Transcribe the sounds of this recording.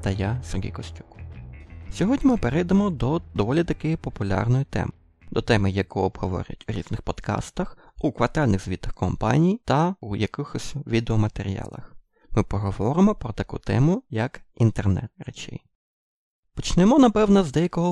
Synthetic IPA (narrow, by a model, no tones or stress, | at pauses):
t̪ɐjasʲerɦʲḭjkɔsʲtʲu̥k | sʲɔɦɔdʲnʲimɪpeɾɛjd̪emɔd̪ɔd̪ɔʋɔlʲit̪ɐkɪjʊpɔpʊlʲɑ̰rnɔjit̪ɛ̰mɪ | d̪ɔt̪ɛmɪjɐkɔɔbɦɔʋɔ̰ɾʲɐ̰tʲuɾʲḭznɪxpɔd̪̥kɑ̰st̪ɐx | ukʋɐrt̪ɑlʲnɪɣzʲʋʲit̪ɐxkɔmpɑ̰nʲijt̪ɐujɐkɪxɔsʲʋʲid̪eɔmɐt̪eɾʲḭjɑ̰lˠɐ̰x | mɪpɔɦɔʋɔɾɪmɔpɾɔt̪ɐkṵt̪ɛ̰mʊjɐkint̪ernɛ̰t̪ɾet͡ʃɪ̰j | pɔt͡ʃnɪmɔnɐpɛwnɐzd̪ɛjɐkɔɦɔ